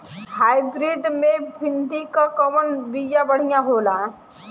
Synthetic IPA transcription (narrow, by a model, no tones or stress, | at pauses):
haːjbɾiɖmẽbʱɪnd̪ikakəʋənbijabəɽ̤ijãɦoːla